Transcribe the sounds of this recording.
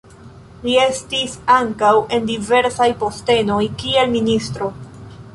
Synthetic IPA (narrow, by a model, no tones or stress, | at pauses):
lie̞stisaŋkawʔe̞ndive̞ɾsajpo̞ste̞no̞jkie̞lministɾo̞